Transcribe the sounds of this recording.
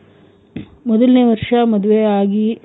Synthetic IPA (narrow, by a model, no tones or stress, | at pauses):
mɔd̪ɐlneːʋɐɾʂɐmɐd̪uʋeaːɡi